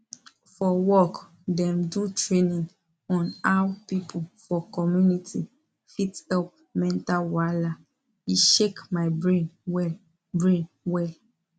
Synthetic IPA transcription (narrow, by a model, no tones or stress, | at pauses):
fɔwɔk | dɛ̃mdutɹenĩŋ | ɔ̃nawpipʰufɔkɔmjunitʰi | fitɛlp̚ | mɛ̃ntalwala | iʃekmaɪbɹẽnɛ | bɹẽn | wɛl